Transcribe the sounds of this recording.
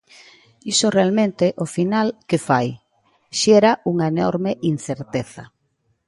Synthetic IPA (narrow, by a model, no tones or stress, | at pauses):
isorealmẽnt̪eʔofinalkefaj | ʃɛɾaʔuŋaenɔ̰ɾmeʔinθeɾt̪eθɐ